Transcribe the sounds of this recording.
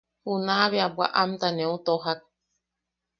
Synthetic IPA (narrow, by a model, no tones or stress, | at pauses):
hunaβeabwa̰ʔamt̪anẽut̪oɦak̚